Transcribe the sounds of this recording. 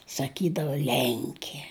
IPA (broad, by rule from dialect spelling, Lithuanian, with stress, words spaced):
sɐˈkʲiːdɐʋoː ˈlʲɛŋʲkʲiɛ